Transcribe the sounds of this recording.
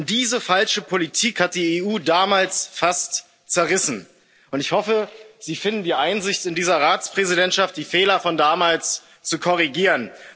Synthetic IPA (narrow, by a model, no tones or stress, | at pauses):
nd̥iːzəfalʃəpʰolitʰiːkhat̚d̥iːeuːdaːmaːlsfast | t͡sɛɐʁɪsn̩ | ʔʊntɪçhɔfəziːfɪndn̩diːɐʔaɪnzɪçtɪndiːzɐʁaːt͡spʁ̥ɛzidɛntʃaft̚d̥iːfɛːlɐfɔndaːmaːls | t͡sukʰɔʁ̞iɡiːʁən